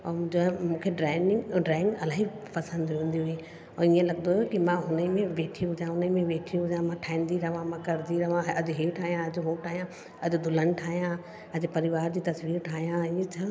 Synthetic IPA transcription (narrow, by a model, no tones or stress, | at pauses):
ɔːmũd͡ʑõmũːkʰeɖɾaːɪnɪ̃ŋɖɾaːɪ̃ŋɡɐlaːɦi | pɐsə̃nd̪ɦũːn̆d̪iɦʊi | ɔːiːẽlɐɡ̚nd̪ojokimãɦʊnəimẽʋeːʈʰiɦʊd͡ʑãɦʊnəmẽʋeːʈʰiɦʊd͡ʑãmãʈʰaːĩːnd̪iɾɐʋãmãkɐɾd̪iɾɐɦʋãɐd͡ʑʊɦiːʈʰaːɦijãɐd͡ʑɦoːʈʰaːɦijã | ɐd͡ʑʊd̪ʊlən̆ʈʰaːɦijã | ɐd͡ʑʊpɐɾɪʋaːɾd͡ʑiːt̪ɐsʋiːɾʈʰaːɦijãiẽt͡ɕʰɐ